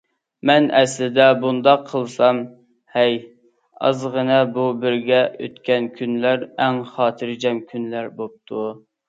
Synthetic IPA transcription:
mɛnɛslɪd̪ɛbund̪ɑqʰːəlˠsɑm | hɛj | ɑ̰zʁənɛbubɪɾɡʲɛø̰t̪kʲɛnkʲʰynlæɾɛŋχɑːt̪ʰɨɾd͡ʒɛmkʲʰynlæɾbop̚t̪ʰu

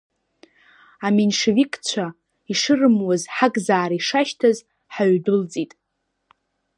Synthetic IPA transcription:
amenʂevikʼt͡ɕʷʰa | iʂɨrɨmwazħaɡzaːɾaiʂaʃtʰaz | ħaɥdɨlt͡sʼitʼ

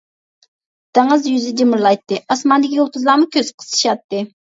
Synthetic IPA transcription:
d̪̥eŋəzjyzɪd͡ʒ̪emɨɾlˠɑjt̪ːɨɑsmɑnd̪ɪkʲijolˠq̪ʰʊzlˠɑmukʲʰøzqʰə̥sʰʃɑt̪ːɨ

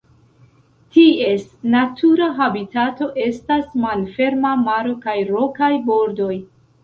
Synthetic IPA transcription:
tie̞snatʰuɾaɦabitato̞ʔe̞stasmalfe̞ɾmamaɾo̞kajɾo̞kajbo̞ɾdo̞j

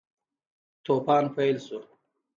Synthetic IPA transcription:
t̪opɑːnpajlsu

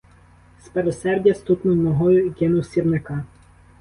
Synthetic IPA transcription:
speɾɔsɛrdʲjɐst̪ut̪nɔnɔɦɔjʊɡʲenɔsʲirnɪkɑ

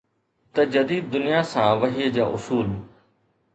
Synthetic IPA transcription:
t̪ɐd͡ʑɐd̪iːd̪̚ːʊnijasãːʋɐɦiːəd͡ʑaːʔʊsuːl

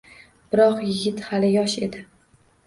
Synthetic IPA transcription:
b̥ɪɾɒqjɪɡʲɪt̪halɪjɒʃe̞d̪ɪ

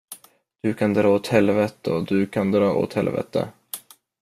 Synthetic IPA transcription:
d̪̥ɵkʰand̪ɾɑːoːt̪hɛlvɛt̪əɔd̪ɵkʰand̪ɾɑːo̰ːt̪hɛlvɛ̰t̪ə̰

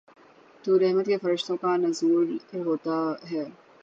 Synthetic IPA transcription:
t̪uɾɛɦmət̪kefɐɾəʃt̪õkanɐzuːɾɦoːt̪aɦɛː

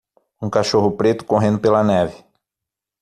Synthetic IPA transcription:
ũkaʃoɦʊpɾet̪ʊ̥koɦẽnd̪ʊpelɐnɛvɪ̥

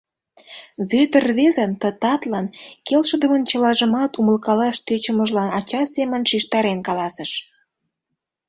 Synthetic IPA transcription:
βøt̪ərβezənt̪ət̪ɑt̪lɑnkelʃəd̪əmənt͡ɕəlɑʒəmɑt̪uməlkɑlɑʃt̪øt͡ɕə̆məʒlɑnɑt͡ɕɑsemənʃiʃt̪ɑɾenkɑlɑsəʃ

